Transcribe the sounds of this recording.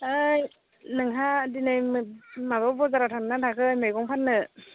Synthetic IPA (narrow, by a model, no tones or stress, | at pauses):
ɯj | nɯŋɦadinɯjmmabɔwbɔzaɾatʰaŋnatʰakʰɯjmɯjɡɔŋpʰanːɯ